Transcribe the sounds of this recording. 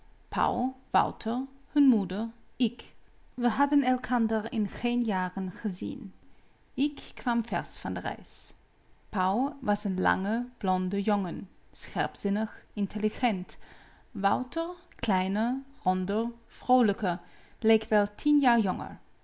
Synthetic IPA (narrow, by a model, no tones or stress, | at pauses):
pʰa̰wlʋɑ̰wtʰəɹhɵnmudəɹɪkʋəɦɑdənɛlˠkʰɑndəɹɪnχeːnjaːrənχəzḭn | ɪkːʰʋamfɛ̰ɹsfɑndərɛ̰js | pawʋɑsənlɑ̰ŋəb̥lɔndəjɔŋənsχɛ̰ɹpz̥ɪnəχɪntʰəliχɛnt | ʋɑwtəɹklɛjnərɔndəfrowləkəlejkʰʋɛlˠtʰinjaːɹjɔŋə̰ɹ